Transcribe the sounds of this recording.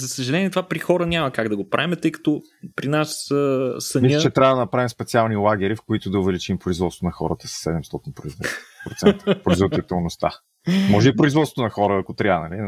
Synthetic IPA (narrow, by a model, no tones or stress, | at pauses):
zɐsəʒɐlɛnʲiɛt̪ovapɾixɔɾənʲamɐkaɡd̪ɐɡopɾa̰vimɛt̪ɤjkə̥t̪o | pɾinassɐnmislʲət͡ʃɛt̪ɾʲavəd̪ɐnɐpɾavimspɛt̪sialˠnilˠaɡ̟ʲɛɾifkoit̪ʊd̪ɐʊvɛlit͡ʃimpɾʊizvɔt̪st̪onɐxɔɾət̪ə̥sɐ̥sːɛd̪ɛmst̪ɔt̪inpɾoizvɛpɾot̪sɛnə̥pɾʊizvod̪it̪ɛlˠnost̪a̰ | mɔʒɛipɾʊizvɔt̪ot̪onɐxɔɾəːkot̪ɾʲianɐli